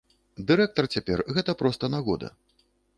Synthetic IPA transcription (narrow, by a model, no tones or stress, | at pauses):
d̪ɨɾɛk̚t̪ɐrt͡sʲapʲɛrɣɛt̪ɐpɾɔst̪ɐnaɣɔd̪ɐ̰